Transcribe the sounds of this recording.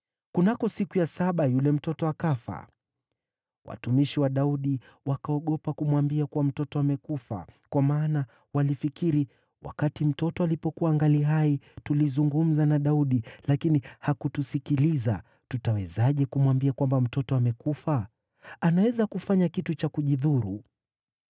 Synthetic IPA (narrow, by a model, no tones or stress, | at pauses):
kunakɔsikujasaɓajulɛm̩tɔtɔakafa̰ | wʔa̰tumiʃiwaɗauɗi | wakaɔɠɔpakumwambiakuwam̩tɔtɔamɛkufa̰kwamaːna | walifikiɾi | wa̰katim̩tɔtɔalipɔkuwaŋɡaliɦaitulizuŋɡum̩zanaɗauɗilakinihakutusikiliza | tutawɛzaʄɛkumwambiakwambam̩tɔtɔamɛkufa | anawɛzakufaɲakitut͡ʃakuʄiðuɾu